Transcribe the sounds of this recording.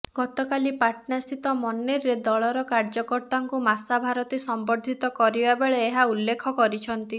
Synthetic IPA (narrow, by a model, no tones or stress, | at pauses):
ɡ̥ɔt̪ɔkalipaʈnast̪ʰit̪ɔmɔnːeɾːed̪ɔɭɔɾɔkaɾd͡ʒɔkɔɾt̪aŋkumasabʱaɾɔt̪isɔmbɔɾd̪ʱit̪ɔkɔɾibabeɭeːɦaulːekʰɔkɔɾit͡ʃʰɔnt̪i